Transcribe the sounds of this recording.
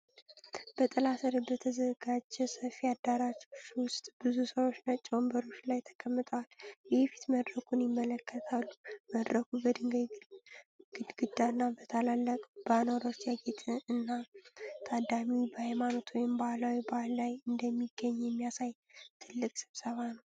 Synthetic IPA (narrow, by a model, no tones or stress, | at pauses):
b̥ət̪ʼɨlasəɾibət̪ʰəzəɡad͡ʒɛsəfiad̪ːaɾat͡ʃot͡ʃːwʊst̪ʼb̥ɨzusəwot͡ʃːnat͡ʃʼwmbəɾo̞t͡ʃːlajt̪ʰə̥kʰəmːɨt̪ʼəwaljɛhefi̥t̪məd̪ɾəkʰunjɪmːələkʰːət̪ʰalːuməd̪ɾəkʰubəd̪ɨŋɡa | ɡɨɡ̥ɨd̪anːabət̪ʰəlalːəkʼb̥anoɾo̞t͡ʃːjaɡet̪ʰɨɨnːat̪ʼʰad̪amibəhajmano̞t̪ʰwɔjɪmbahalawibahlːajɨnd̪əmːiɡːəɲːjɛmːijasaj | t̪ʰɨlːɨkʼsɨβsəβanəw